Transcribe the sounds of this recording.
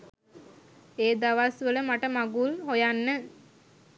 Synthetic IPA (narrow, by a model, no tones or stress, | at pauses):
eːd̪aʋasʋələmaʈəmaɡulhojanːə